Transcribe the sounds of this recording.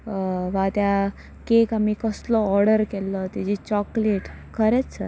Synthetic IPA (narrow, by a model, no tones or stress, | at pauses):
ʋãt̪ja | kekamikəslɔːɾɽəɾkɛlːɔt̪ad͡ʑit͡ɕɔkleʈ | kʰəɾɛt͡ssə̰ɾ